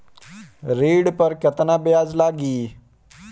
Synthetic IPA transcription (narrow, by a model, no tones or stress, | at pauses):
ɾiɽpəɾkət̪nabjad͡zlaɡiː